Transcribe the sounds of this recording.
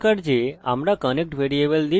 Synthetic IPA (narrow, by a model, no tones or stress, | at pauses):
kəɽd͡ʒea̰mɾakənek̚ʈʋeɾiebəld̪i